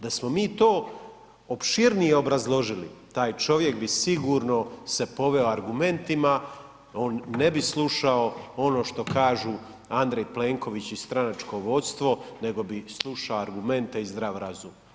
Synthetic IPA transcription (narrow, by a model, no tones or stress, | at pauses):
d̪asmo̞miːt̪oː | opʃiɾnijeo̞bɾazlˠo̞ʒilḭt̪aːjt͡ʃo̞ʋjekbisiɡuːɾno̞se̞po̞ʋe̞oaɾɡume̞nt̪ima | o̞ːnːe̞bislˠuʃao̞o̞no̞ːʃt̪o̞kaːʒu | and̪ɾejpleŋko̞ʋit͡ɕist̪ɾanat͡ʃko̞ʋo̞t̪st̪ʋo̞ne̞ɡo̞bislˠuʃaoaɾɡume̞nt̪e̞izd̪ɾaʋɾazum